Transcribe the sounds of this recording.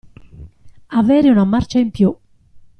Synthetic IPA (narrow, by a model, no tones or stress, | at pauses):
avɛːɾiunamart͡ʃaimpju